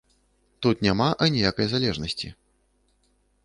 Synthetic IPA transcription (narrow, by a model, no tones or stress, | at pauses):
t̪ut̪nʲamaʔɐnʲijakɐjzalʲɛʐnɐsʲt͡sʲḭ